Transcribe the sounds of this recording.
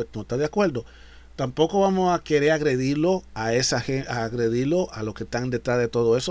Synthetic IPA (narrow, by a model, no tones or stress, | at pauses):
enoest̪aðeakwe̞ɾd̪o̞ | t̪ampo̞ko̞βamosake̞ɾe̞ɾaɣɾe̞ðiɾlo̞aesaxeaɣɾe̞ðiɾlo̞aloskest̪aŋd̪e̞t̪ɾazðe̞t̪o̞ðoe̞so